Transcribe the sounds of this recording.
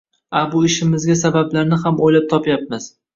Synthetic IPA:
abʊɪʃɪmɪzɡʲasabablaɾnɪhamojlap̚t̪ʰɒpjap̚mɪz̥

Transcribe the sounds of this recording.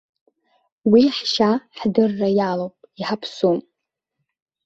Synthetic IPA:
wiħʃaħdɨrːajalopʼiħapʰsum

